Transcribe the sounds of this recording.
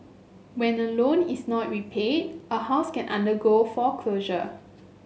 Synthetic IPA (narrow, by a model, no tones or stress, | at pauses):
wɛ̃nəlõnisnɔt̚ɹipʰed̚əhaʊskɛ̃nʔãndəɡofɔkʰloʒə